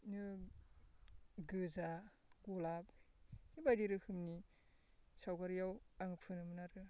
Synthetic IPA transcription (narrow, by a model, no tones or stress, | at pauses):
nɯ | ɡɯza | ɡɔlapnibajdiɾɯhʰɯmni | sawɡaɾjawaŋpʰɯnɯmɯnaɾɯ